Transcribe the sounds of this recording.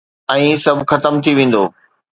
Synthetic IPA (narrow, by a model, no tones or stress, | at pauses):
ɛ̃ːsɐbʱxɐt̪əmt̪ʰiʋẽːn̆d̪oː